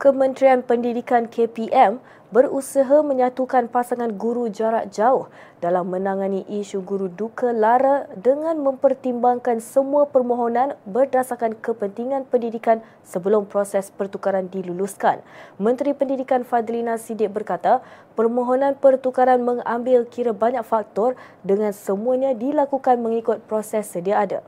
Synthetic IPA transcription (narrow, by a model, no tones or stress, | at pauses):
kəmə̃nt̪ɾianpəndidikankʰepiʔɛm | bəɾusəɦamə̃ɲat̪ukanpasaŋanɡuɾud͡ʒaɾaʔ̪̚d͡ʒaʊh | dalamːə̃naŋaniʔiʃuɡuɾudukʰalaɾadəŋãnmə̃mpərt̪imbaŋkansəmuapərmõɦonãnbərdasakankəpənt̪iŋãnpəndidikan | səbəlʊmpɾosɛspərt̪ukaɾandiluluskanmə̃nt̪ɾipəndidikanfad̪linasidɪk̚bərkat̪apərmõɦonãnpərt̪ukaɾanməŋambɪlkiɾabaɲak̚fak̚t̪ɔr | dəŋãnsəmuaɲãdilakukanmə̃ŋikʊt̪̚pɾosɛsːədiaːda̰